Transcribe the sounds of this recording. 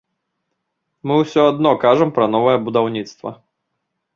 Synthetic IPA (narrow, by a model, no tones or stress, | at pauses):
mɨwsʲɔad̪nɔkaʐɐmpɾɐn̪ɔvɐjɛbud̪awnʲit̪st̪vɐ̰